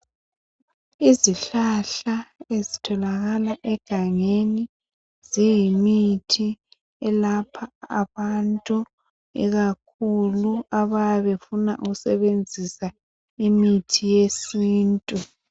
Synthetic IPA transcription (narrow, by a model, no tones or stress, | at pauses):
iziɬaɬaezitʰɔlaɣalaʔɛɡ̥ʱaŋeni | zijimitʰi | ɛlapʰa̰ːβantʼu | ḭɣakʰuluaβajaβefunaʔuɣusɛβend͡zʱisa | imitʰijesiːntʼu